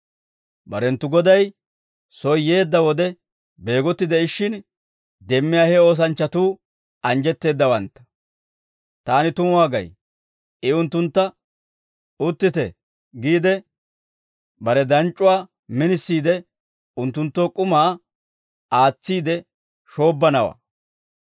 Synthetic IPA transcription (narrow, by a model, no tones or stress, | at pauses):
bɐɾɛnt̪ːʊɡɔd̪ɐj | sɔjje̞ːd̪ːɐwɔd̪ɛ | be̞ːɡɔt̪ːɪd̪ɛɪʃːɪn | d̪ɛmːɪjaːhɛo̞ːs̬ɐnt͡ʃːɐt̪uː | ɐnd͡ʒɛt̪ːe̞ːd̪ːɐwɐnt̪ːɐ̥ | t̪aːnɪt̪ʊmʊwaːɡɐ̰j | ɪʊnt̪ːʊnt̪ːɐ | ʊt̪ːɪt̪ɛ̰ | ɡiːd̪ɛ | bɐɾɛd̪ɐnt͡ʃʼːʊwaː | mɪnɪsːiːd̪ɛ | ʊnt̪ːʊnt̪ːoːkʼʊmaː | aːt͡sːiːd̪ɛ | ʃo̞ːbːɐnɐwa̰ː